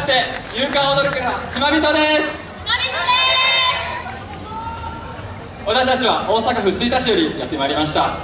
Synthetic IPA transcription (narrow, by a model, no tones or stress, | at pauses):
i̥t̪e̞jɨːkãɰ̃od̪oɾɯkɯakʲimabʲit̪o̞d̪e̞sɨ̥ | βat̪aɕit̪at͡ɕiβ̞aʔo̞ːsakaɸɯ̟sɨit̪aɕijo̞ɾʲijat̪ːe̞maiɾʲimaɕ̬i̥t̪a